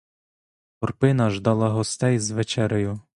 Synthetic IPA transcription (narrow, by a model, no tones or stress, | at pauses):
ɔrpɪnɐʒd̪ɑlˠɑɦɔst̪ɛjzʋet͡ʃɛɾɪjʊ